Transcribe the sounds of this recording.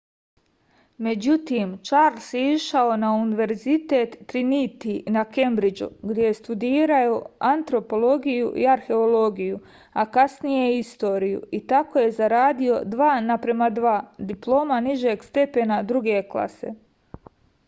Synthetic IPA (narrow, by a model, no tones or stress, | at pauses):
me̞d͡ʑut̪imt͡ʃaɾlsjeiʃao̞nauniʋe̞ɾzit̪eːt̪ːɾinit̪inake̞mbɾid͡ʑṵɡd̪je̞jest̪ud̪iːɾajoant̪ɾo̞po̞lo̞ɡijuʔḭaɾxe̞olo̞ɡiju | akasnijeist̪o̞ːɾijṵit̪ako̞je̞zaɾaːd̪io̞d̪ʋaːnapɾe̞mad̪ʋaːd̪iplˠo̞ːmaniʒeːɡst̪e̞pe̞nad̪ɾuɡeklˠa̰se̞̰